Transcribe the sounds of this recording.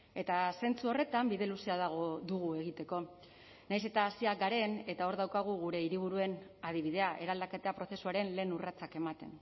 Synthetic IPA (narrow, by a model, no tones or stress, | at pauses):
e̞t̪ase̞nt͡suo̞re̞t̪ambiðe̞lusiaðaɣ̞od̪uɣue̞ɣ̞it̪e̞ko̞ | najse̞t̪aːsiaɡaɾe̞ne̞t̪ao̞ɾðawkaɣ̞uɣuɾe̞iɾiβ̞uɾue̞nað̞iβ̞iðe̞aʔe̞ɾald̪ake̞t̪e̞apɾo̞θe̞suaɾe̞nle̞ːnurat͡sake̞mat̪e̞̰n